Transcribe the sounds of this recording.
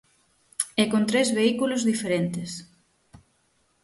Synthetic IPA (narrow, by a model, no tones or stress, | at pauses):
ekont̪ɾezβeikulozðifeɾent̪ɪs